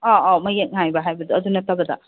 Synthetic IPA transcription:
ɔɔmɐjet̚ŋajbɐɦajbɐduɐdunɐtabɐdɐ̰

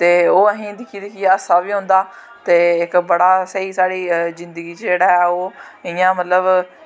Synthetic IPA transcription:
t̪eːoːəɦĩːd̪ɪkʰːiːd̪ɪkʰiːaəsaːbiːɦõːnd̪aː | t̪eːɪkbəɽaːsəiːsaːɽiːzɪ̃nd̪əɡiːt͡ʃd͡ʒeːɽaːɛːoːɪjãːmət̪ləb

